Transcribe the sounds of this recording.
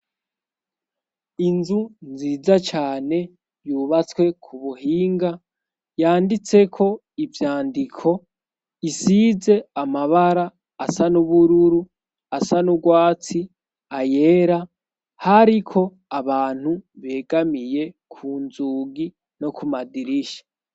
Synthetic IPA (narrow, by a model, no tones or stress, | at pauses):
inzunziːd͡zat͡ʃaːne̞ | juːβat͡swe̞kʰuβuɦiːŋɡa | jaːndit͡se̞kʰo̞ | ivjaːndikʰo̞ | isize̞amaβaɾaː | sanuβuɾuɾu | asanubɡwaːt͡si | aje̞ːɾa | haɾikʰo̞ | aβaːn̥huβe̞ːɡamije̞ | kʰuːnzuːɡi | no̞kumadiɾiʃḁ